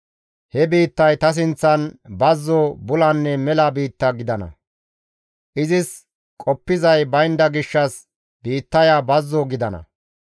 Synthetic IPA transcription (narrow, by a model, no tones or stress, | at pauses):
hɛbiːt̪ːɐjt̪ɐs̬ɪnt͡sːɐnbɐzːobʊlɐnːɛmɛlabiːt̪ːɐɡɪd̪ɐnɐ̰ | ʔɪzɪs | kʼɔpːɪzɐjbɐjnd̪ɐɡɪʃːɐs | b̥iːt̪ːɐjaːbɐzːoɡɪd̪ɐnɐ̰